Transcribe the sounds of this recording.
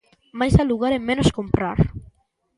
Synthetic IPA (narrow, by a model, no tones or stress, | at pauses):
majsaluɣaɾemẽnoskompɾaɾ